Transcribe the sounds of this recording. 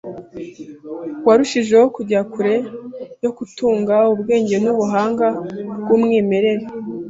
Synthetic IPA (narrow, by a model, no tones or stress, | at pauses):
waɾuʃiʒe̞okuɟakuɾe̞jo̞kutuːŋɡaubɡe̞ːɲɟe̞nuβuɦaːŋɡabɡumŋiːme̞ɾe̞ɾe